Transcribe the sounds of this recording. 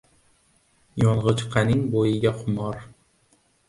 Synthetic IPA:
jɒɴʁɨt͡ʃqʰɑnɪŋbojɪɡʲaqʰʊmɒɾ

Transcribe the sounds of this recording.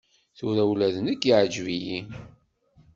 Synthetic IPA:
θʊɾæwlæðənəkːiʕd͡ʒviji

